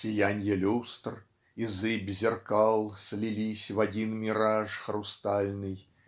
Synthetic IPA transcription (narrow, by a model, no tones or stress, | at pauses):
sʲɪjanʲjəlʲust̪r | izɨbʲzʲɪrkalˠsʲlʲilʲisʲvadʲinmʲɪɾaʐxrʊst̪alʲnɨj